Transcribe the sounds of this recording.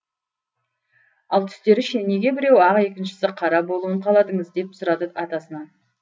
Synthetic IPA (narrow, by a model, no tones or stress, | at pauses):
ɑlˠt̪ʰʏ̥st̪e̞ɾɪʃɪnne̞ɡʲe̞bɪɾe̞wɑʁe̞kʲɪnʃɪ̥sɪqʰɑɾɑbo̞lˠuəɴqʰɑlˠɑd̪əɴəzd̪e̞p̚sʊɾɑd̪əɑt̪ɑsənɑn